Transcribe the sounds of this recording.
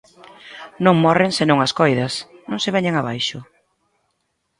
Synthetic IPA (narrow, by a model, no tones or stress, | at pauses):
nõŋmɔrɪŋsenõŋɐskojðɐsnõŋsɪβɛɲeŋaβajʃʊ